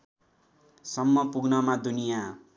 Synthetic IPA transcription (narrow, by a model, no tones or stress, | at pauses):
sʌmːʌpuɡnʌmad̪unija